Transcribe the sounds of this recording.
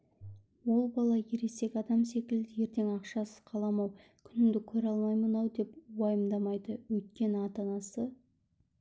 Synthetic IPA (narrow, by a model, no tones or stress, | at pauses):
wo̞lˠbɑlˠɑjeɾe̞se̞kʲɑd̪ɑmse̞kʲɪld̪ɪje̞ɾt̪e̞ŋɑqʃɑsəz̥qʰɑlˠɑmɑw | kʲʰʏnɪnd̪ɪkʲʰɵɾɑlˠmɑjmənɑwd̪e̞pwɑjəmd̪ɑmɑjd̪əwɵjt̪̚kʲe̞nɪɑt̪ɑnɑsə